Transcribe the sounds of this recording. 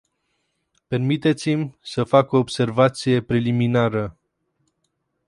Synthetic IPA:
pe̞rmit̪e̞t̪simʲsəfakoːbse̞rvat̪sije̞pɾeliminaɾə

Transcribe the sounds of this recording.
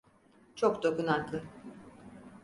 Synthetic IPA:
t͡ʃʰokd̪okunaklˠɯ

